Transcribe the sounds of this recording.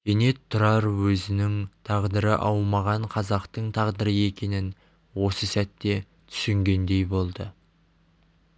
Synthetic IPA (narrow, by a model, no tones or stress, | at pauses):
kʲʰene̞t̪ʰːʊɾɑɾwɵzɪnɪŋt̪ʰɑʁd̪əɾə̰ʔɑwmɑʁɑɴqʰɑzɑqt̪əɴt̪ʰɑʁd̪əɾəe̞kʲʰe̞nɪn | wo̞səsæt̪ːe̞ | t̪ʰʏ̥sɪŋɡʲe̞nd̪e̞jbo̞lˠd̪ə